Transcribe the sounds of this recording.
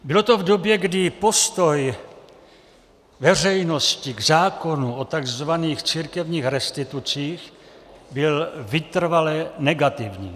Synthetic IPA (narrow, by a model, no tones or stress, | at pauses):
bɪlo̞t̪o̞vdobjɛɡdɪpo̞st̪oj | vɛr̝ɛjno̞scɪɡzaːko̞nuʔot̪aɡzvaniːxt͡siːɾkɛvɲiːxɾɛst̪ɪt̪ut͡siːxbɪlvɪt̪r̩valɛnɛɡat̪ɪvɲḭː